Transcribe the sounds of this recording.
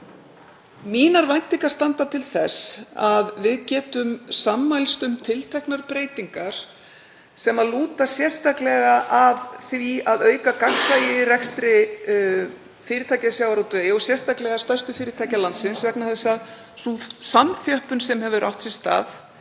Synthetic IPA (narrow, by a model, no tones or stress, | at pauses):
miːnaɾvajnt̪iŋkḁst̪ant̪at̪ʰɪlθɛsaðvɪðcɛːt̪ʏmsamːajlst̪ʏmt̪ʰɪlt̪ʰɛhknaɾpɾeːjt̪iŋkaɾ̥ | sɛmaðluːt̪asjɛr̥st̪aklɛɣaʔaðθviaðœːɥkakaksajɪrɛkst̪ɾɪ | fɪːɾɪt̪ʰajcasjawaɾawt̪vœːjɔɣsjɛr̥st̪aklɛɣast̪ajst̪ʏfɪːɾɪt̪ʰaːjcalant̪sɪnsvɛknahaðɪsað | susamθjœhpʏnsɛmhɛvʏɾʔa̰wht̪sɪst̪a̰ːθ